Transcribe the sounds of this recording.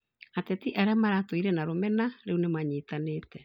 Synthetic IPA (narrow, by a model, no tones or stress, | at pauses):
atɛtiʔaɾeamaɾatoiɾɛnaɾomɛnaɾeunemaɲiːtaneːtɛ